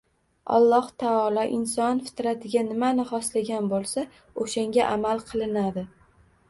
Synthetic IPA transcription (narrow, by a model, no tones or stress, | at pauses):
ɒ̰lˠːɒht̪ʰaɒlˠɒʔɪnsɒnfɪ̥t̪ɾat̪ʰɪɡʲanɪmanɪχɒslaɡʲanbolˠsa | oʃaŋɡʲaʔamalˠqʰɨlˠɪnad̪ɪ